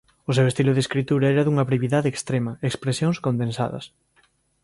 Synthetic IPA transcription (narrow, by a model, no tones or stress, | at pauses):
ʊs̬ewest̪ilʊðeskɾit̪uɾɐɛɾɐðuŋɐβɾeβiðaðeːkst̪ɾemɐekspɾesjoŋskond̪ẽnsa̰ðɐ̰s